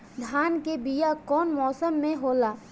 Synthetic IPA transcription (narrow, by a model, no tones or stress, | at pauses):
d̪ʱaːnkebijakɔːnmɔːsəmːẽɦoːlaː